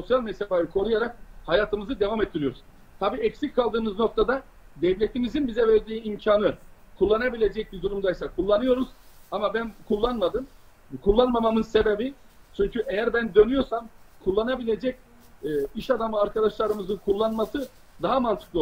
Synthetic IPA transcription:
so̞sjalʲmɛst̪ʰːebajɯkʰo̞ɾujaɾak̚hajaːt̪ʰɯmɯzɯd̪e̞vamɛt̪ːiɾijoɾuzz̥ | t̪ʰabiːɛcsicʲkʰːalˠd̪ɯːmɯzno̞k̚t̪ʰad̪a | d̪ɛvlʲet̪ʰimizinbizɛvɛɾd̪iːimcʰaːnɯ | kʰulˠːanabilʲe̞d͡ʒɛc̚bid̪uɾumd̪ajsakʰulˠːanɯjo̞ɾuzamabænkʰulˠːanmad̪ɯm | kʰulˠːanmamamɯnse̞be̞bi | t͡ʃʰyɲcyʔejæɾbænd̪ø̞nyjo̞ɾsamkʰulˠːanabilʲe̞d͡ʒɛcː | iʃad̪amɯaɾkʰad̪aʃlˠaɾɯmɯzɯnkʰulˠːanmasɯ | d̪aɦamant̪ʰɯ̥klˠ

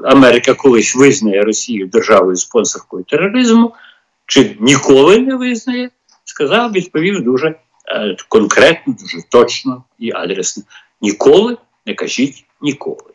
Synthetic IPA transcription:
ɐmɛɾɪkɐkɔlˠɪsʲʋɪznɐjɛɾɔsʲijʊd̪erʒɑʋɔjʊspɔnsɔrkɔjʊt̪erːɔɾɪzmʊ | t͡ʃɪnʲikɔlˠɪnɛʋɪznɐjɛ | skɐzɑwʋʲid̪pɔʋʲiwd̪uʒɛ | kɔnkɾɛt̪̚nɔd̪uʒɛt̪ɔt͡ʃnɔ | iʔɑ̰d̪ɾesnɔ | nʲikɔlˠɪ | nɛkɐʒʲitʲ | nʲikʰɔ̰lˠɪ

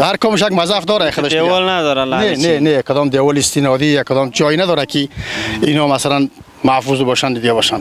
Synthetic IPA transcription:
haɾkɔmiʃ̬akmazafd̪ɔɾaχəd̪ɔʃeɔlnad̪ɔɾaanenenekʰɔd̪ɔmd̪ewɔliːst̪inɔd̪ijakʰɔd̪ɔmd͡ʒɔjnad̪ɔɾakʰiinɔmasalan | mafuzbɔʃand̪id̪iɡabɔʃan

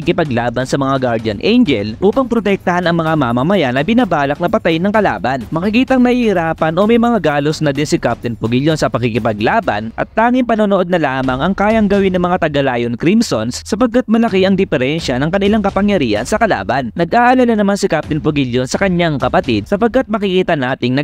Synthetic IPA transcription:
ikɪpɐɡlaːbɐnsɐmɐŋaɡaɹd̪jɐnʔɛjnd͡ʒɛ̰lʔuːpɐŋpɾot̪ɛk̚t̪ɐhanɐŋmɐŋamamɐmɐjanɐjbɪnabaːlɐk̚nɐpɐt̪ajnːɐŋkɐla̰ːbɐnmɐkɪkiːt̪ɐŋnɐhihiɾaːpɐnʔo̞mɐjmɐŋaɡaːlosnɐd̪ɛnsɪkap̚t̪ɪnpoɡɪʎjonsɐpɐkikɪpɐɡlaːbɐ̰nʔɐ̰t̪̚ːaːŋɪmpɐnoːnoʔo̞d̪̚nɐlaːmɐŋʔɐŋkaːjɐŋɡɐwinːɐŋmɐŋat̪ɐɡɐlaːjonkɾimsonssɐpɐɡ̚kːat̪̚mɐlɐkiʔɐŋd̪ɪfɛɾɛnʃɐnɐŋkɐnɪlaŋkɐpɐŋjɐɾiːhɐ̰nsɐkɐla̰ːbɐnnɐɡʔaːʔɐlananɐmansɪkap̚t̪ɪnpoɡiljonsɐkɐɲaŋkɐpɐt̪id̪̚sɐpɐɡ̚kat̪̚mɐkɪkiːt̪ɐnaːt̪ɪŋnɐ

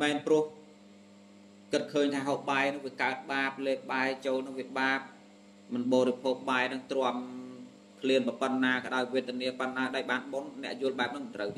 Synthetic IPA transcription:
mɛɛnprʊ̆əh | kɨt̪̚kʰəːɲt̪ʰaːɦoːhɓaɛnɨŋʋiəkaət̪̚ɓaːp̚leːhɓaɛt͡ɕoːlnɨŋʋiəɓaːp̚ | mɨnɓɔːɾipʰoːk̚ɓaɛnɨŋt̪rŏəm | kʰliənprəpənːaːkə̰ɗaɔjʋiət̪ːɛəniəpənːaːɗaɔːjɓaːnɓonːɛ̆əʔjʊəlɓaɛp̚nɨŋmɨnt̪rəw

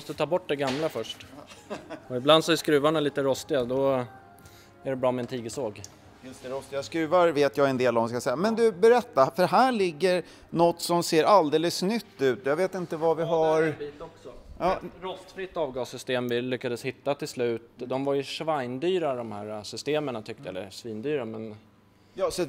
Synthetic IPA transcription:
ɔst̪ət̪ʰɑːbɔʈ̚ːd̪ɛɡamlafœʂʈ | ɔɪbland̪sɔæskɾʉ̟ːvaɳaliːt̪əɾɔst̪ɪɡad̪ɔ | æɖɛbɾɑːmɛɛnt̪ʰiːɡəsoːɡ | jɵst̪ɛɾɔst̪ɪaskɾʉ̟ːvaɾveːt̪jɑːɡɛnd̪eːlvɔmskasɛjːamɛnd̪ɵbɛɾɛt̪ːafœɾɦæːɭɪɡːəɾ | nɔt̪ːsɔmseːɾʔald̪eːləsnʏt̪ːʉ̟ːt̪javeːt̪ɪnt̪əvavɪɦaɾbiːt̪ɔksɔjɑːɾɔst̪fɾɪt̪ːɑːvɡɑːsːʏst̪eːmvɪlʏkːad̪əshɪt̪ːat̪ʰɪlslʉ̟ːt̪d̪ɔmvaɾjɵʂvajnd̪yːɾad̪ɔmhæːɾasʏst̪eːməɳat̪ʰʏk̚t̪əjɛ̰lːə̰ʂviːnd̪yːɾamɛn | jɑːsɔ

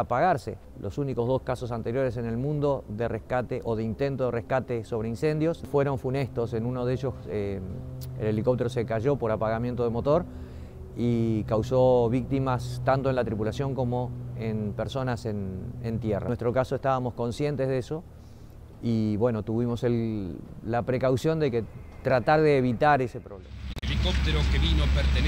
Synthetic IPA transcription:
apaɣaɾse̞̰ | lʔo̞suniko̞zðo̞skaso̞s̬ant̪e̞ɾjo̞ɾe̞s̬e̞ne̞lmũnd̪o̞ðe̞rehkat̪eʔoðeint̪e̞nt̪o̞ðerehkat̪e̞so̞β̞ɾeinse̞nd̪jo̞sfwe̞ɾo̞ɱfune̞st̪o̞se̞nunoðeʒo̞e | ḛle̞liko̞p̚t̪eɾo̞se̞kaʒo̞po̞ɾapaɣamje̞nt̪o̞ðemo̞t̪o̞ɾ | ikawso̞βik̚t̪imast̪ant̪oe̞nlat̪ɾipulasjo̞ŋko̞mo̞enpeɾso̞nasenent̪jera̰west̪ɾo̞kaso̞est̪aβamo̞sko̞nsje̞nt̪e̞zðeso̞ | iβwe̞no̞t̪uβimo̞selː | apɾe̞kawsjo̞nd̪e̞ket̪ɾat̪aɾðeːβit̪aɾe̞se̞pɾo̞βlemaelikop̚t̪eɾokeβinopeɾt̪en

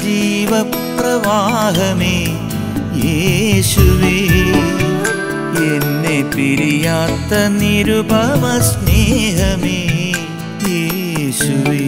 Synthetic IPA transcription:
d͡ʒiːʋɐ | pɾɐʋaːɦɐmi | jeːʃuʋi | enːepiɾijaːt̪ɐniɾubɐmɐsneːɦɐmi | jeː | ʃuʋi

